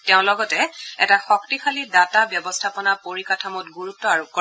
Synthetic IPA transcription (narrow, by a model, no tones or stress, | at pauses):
tɛʊ̃lɔɡɔtɛɛ̰taxɔk̚tixʰalidatabjɔbɔstʰapɔnapoɹikatʰamɔtɡuɹutːɔaɹukɔ